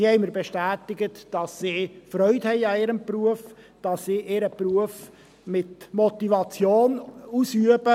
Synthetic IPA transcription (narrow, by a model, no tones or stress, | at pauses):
hɛɪməɾbeʃtæːtɪɡətd̥ɑsːiːfɾœʏthɛɪɑɪɾəmpruəf | d̥ɑsːiːʔɪɾəpruəf | mɪtmɔt̪ivɑt͡sjoːnusyəbə